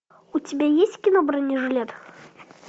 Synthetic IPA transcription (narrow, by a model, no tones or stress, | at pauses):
utʲɪbʲajesʲtʲkʲɪnobɾɐnʲɪʐɨlʲet̪